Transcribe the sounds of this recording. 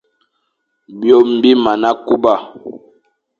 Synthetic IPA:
bjo˦˨m̩˨bi˦ma˨na˦ku˦ba˦˨

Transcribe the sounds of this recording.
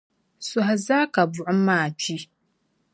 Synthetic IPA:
sɔ˦ɦa˨zaː˦ka˨bʊ˨ʔʊ˦maː˦˨t͡ʃi˦

